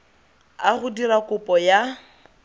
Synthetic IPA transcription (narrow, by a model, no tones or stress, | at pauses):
aɣʊdirakʊpʼɔja